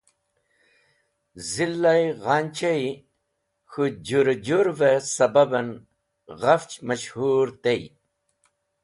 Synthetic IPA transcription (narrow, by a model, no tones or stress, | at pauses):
zilːajɣant͡ɕei | xud͡ʑuɾd͡ʑuɾvesɐbɐbɐn | ɣɐft͡ɕmɐɕhuɾt̪ej